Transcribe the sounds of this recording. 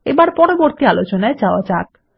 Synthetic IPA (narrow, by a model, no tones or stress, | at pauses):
ebaɾpɔɾoboɾt̪ialot͡ɕonaed͡ʑaoad͡ʑak